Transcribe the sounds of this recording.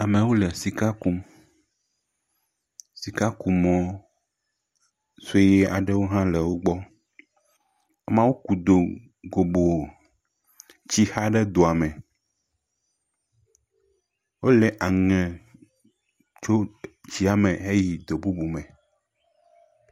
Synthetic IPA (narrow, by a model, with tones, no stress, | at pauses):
a˨mɛ̃˨wo˦le˨si˨ka˦ku˦m | si˨ka˦ku˨mɔ̃˦ | se˦je˦a˨ɖɛ˦wo˦ɦã˦lɛ˨wo˦ɡ͡bɔ˦ | a˨mã˦wo˦ku˨d̪o˨ | ɡo˨bo˨ | t͡ɕi˦ha˦ɖɛ˦d̪o˨a˨mɛ̃˨ | wo˦lɛ˨ʔa˨ŋɛ̃˨ | t͡ʃo˦d͡ʑi˦a˨mɛ̃˨e˦ji˨d̪o˨bu˦bu˨mɛ̃˨